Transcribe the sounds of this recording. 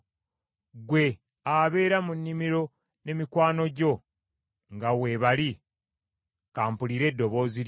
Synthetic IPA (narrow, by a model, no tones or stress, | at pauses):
ɡwe̞ | aβe̞ːɾamunːimiɾo̞ | ne̞mikwaːno̞ɟo̞ | ŋɡawe̞βali | kaːmpuliːɾe̞dːo̞βo̞ːzi